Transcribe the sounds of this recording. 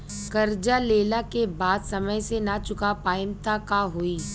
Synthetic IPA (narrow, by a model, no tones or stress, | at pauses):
kɐɾd͡ʒaleːlakebaːd̪sɐməjsenat͡ʃʊkapaːɪmt̪akaɦoːiː